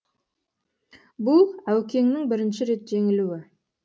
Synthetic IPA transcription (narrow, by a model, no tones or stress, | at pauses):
bʊlˠæwkʲe̞ŋnɪŋbɪɾɪnʃɪɾe̞t̪ʒe̞ŋɪluɪ